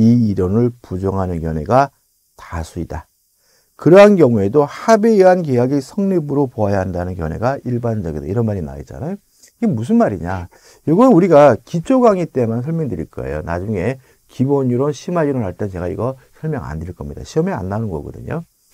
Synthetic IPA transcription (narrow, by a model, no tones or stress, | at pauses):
iːɾʌnɯɭpud͡ʑʌŋɦanɯnkjʌnwe̞̰ɡa | tasʰuida | kɯɾʌɦanɡjʌŋue̞dohabeiɦankejaɡisʰʌŋnibɯɾopoajaɦandanɯnkjʌ̰ne̞̰ɡaiɭband͡ʑʌɡida̰iɾʌnmaɾina̰it͡ɕ͈a̰najo | iɡemus̬ʰɯnmaɾiɲa | joɡʌnɯnuɾiɡakit͡ɕʰoɡaŋit͈e̞mansʰʌɭmjʌŋdɯɾḭɭk͈a̰ḛjo̰na̰d͡ʑuŋe̞ | kiboɲuɾonɕʰimaiɾoɭɦaɭt͈et͡ɕe̞ɡaḭɡʌsʰʌɭmjʌŋa̰ndeɭk͈ʌmɲida̰ɕʰiʌmia̰nːanɯnɡʌ̰ɡʌ̰dɯ̰ɲo̰